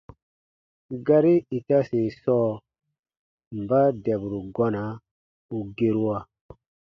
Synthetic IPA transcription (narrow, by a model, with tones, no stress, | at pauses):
ɡa˦ɾi˦i˨ta˦se˨sɔː˦ | mba˦dɛ˨bɾu˨ɡɔ˦na˨˦ | u˨ɡe˦ɾu˦wa˨